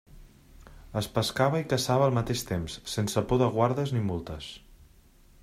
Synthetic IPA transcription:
əspəskaβəikəsaβəːlˠmət̪eʃt̪emsːensəpoðəɣwaɾðəznimulˠt̪əs

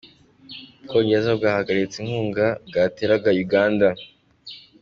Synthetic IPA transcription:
ubkoːɲɟes̬aobɡaːhaɡaɾit͡siŋhuːŋɡab̚ɡaːteɾaɡajuɡaːnda

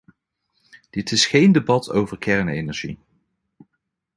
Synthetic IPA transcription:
d̥ɪtɪsχejndebɑtʰowvəɹkɛɹnejnɛɹʒḭ

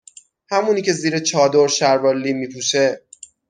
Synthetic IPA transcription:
hæmuːniːcʰe̞ziːɾet͡ʃʰɒːd̪oɾʃæɾvɒlːiːmiːpʰuːʃe

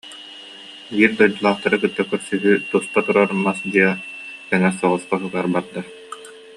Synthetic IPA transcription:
biːɾd̪ɔjd̪ɔlˠaːχt̪aɾɯkɯt̪ːakœɾsyɦyt̪ust̪at̪uɾaɾmasd̪iɛkɛŋɛsɔʁɔsqaɦɯɡaːɾbat̪̚d̪a

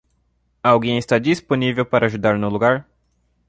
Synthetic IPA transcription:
awɡẽj̃ɪst̪ad͡ʒisponivewpaɾɐːʒud̪aɾnʊluɡaɾ

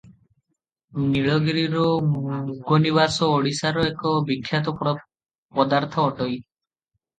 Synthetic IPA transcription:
niɭɔɡiɾiɾɔ | ɡoniβasɔoɽisaɾɔekɔbikʰːjat̪̬ɔp | pɔd̪aɾt̪ʰɔːʈɔj

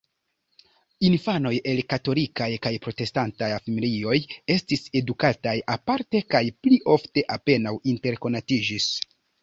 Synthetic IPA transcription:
infano̞jʔe̞lkato̞likajkajpɾo̞te̞stantajafimilio̞je̞stise̞dukatajapaɾte̞kajpliʔo̞fte̞ʔape̞nawinte̞ɾko̞natid͡ʒis

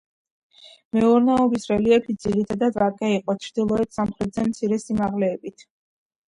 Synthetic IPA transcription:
mɛuɾnɛɔbisɾɛliɛpʰit̪d̪z̥iɾit̪ʰad̪ad̪vaɾkʼɛiqʼɔt͡ʃʰɾd̪ilˠɔɛt̪ʰsamχɾɛt̪zɛmt̪sʰiɾɛsimaʁlɛːbit̪ʰ

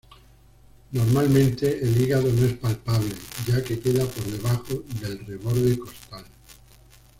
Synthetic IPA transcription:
no̞ɾmalmẽ̞nt̪e̞ʔeliɣaðonoe̞spalpaβle̞ɟ͡ʝake̞ke̞ðapo̞ɾðe̞βaxoðe̞lreβo̞ɾðeko̞st̪al

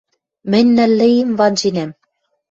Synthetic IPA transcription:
mɘ̆nʲnæ̆lːɘ̆jemvɑnd͡ʑinæm

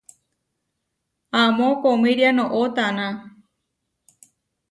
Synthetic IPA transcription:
ãmõkomĩɾjanõʔot̪anã

